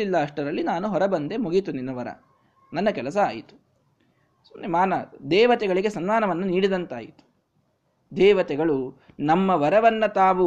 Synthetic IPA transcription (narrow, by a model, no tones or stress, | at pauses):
ilːɐːʂʈɐɾɐlːinaːnuɦɔɾɐbɐnd̪emuɡit̪uninːɐʋɐɾɐ̰ | nɐnːɐkɛlɐs̬ɐa̰ːjḭt̪u̥ | sunimaːnɐd̪ɛːʋɐt̪ɛɡɐɭiɡe̞sɐnmaːnɐʋɐnːɐniːɽid̪ɐnt̪aːjit̪u̥ | d̪ɛːʋɐt̪ɛɡɐɭu | nɐmːɐʋɐɾɐʋɐnːɐt̪aːʋu